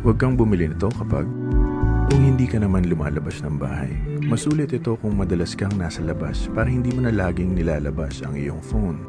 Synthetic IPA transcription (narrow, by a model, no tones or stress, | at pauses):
wɐɡ̚kɐŋbʊmɪlɪnɪt̪o̞kɐpa̰ɡ̚kʊŋhɪnd̪iːkɐnɐmanlʊma̰ːlɐbasnɐŋba̰ːhɐ̰jmɐsuːlɪt̪ɪt̪o̞kʊŋmɐd̪ɐlɐskɐŋnaːsɐlɐba̰spaːɾɐhɪnd̪iːmɐnɐlaːɡɪŋnɪlaːlɐbasɐ̰ŋʔɪ̰jo̞̰ŋfown